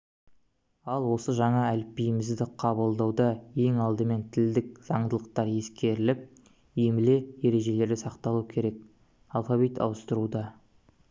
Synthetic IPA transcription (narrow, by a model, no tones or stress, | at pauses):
ɑlˠwo̞səʒɑɴɑælpːijmɪzd̪ɪqʰɑβəlˠd̪ɑwd̪ɑje̞ŋɑlˠd̪əme̞nt̪ʰɪld̪ɪk̚z̥ɑɴd̪əlˠəq̚t̪ɑɾje̞skʲe̞ɾɪlɪp̚ | emɪle̞je̞ɾe̞ʒe̞le̞ɾd̪ɪsɑqt̪ɑlˠukʲʰe̞ɾe̞k̚ | alˠfɑvijt̪ɑ̰wəst̪əɾud̪ɑ